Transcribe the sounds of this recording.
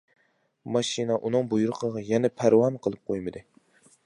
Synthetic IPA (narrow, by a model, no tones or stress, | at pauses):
mɑʃinɛʔunɨŋbujuɾɨqʰəʁɑjɛnɛpʰæɾwɑnqʰəlˠɨp̚qʰojmɨd̪ɨ